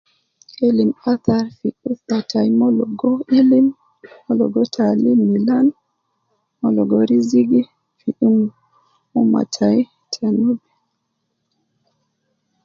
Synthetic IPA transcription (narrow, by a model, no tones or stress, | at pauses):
ʔelimaθaɾfiʔuθatʰajmɔlɔɡɔelimː | ɔlɔ̰ɡɔtʰalimilan | mɔlɔɡɔɾiziɡi | fiʔim | uma̰tʰaj | tʰanubɛ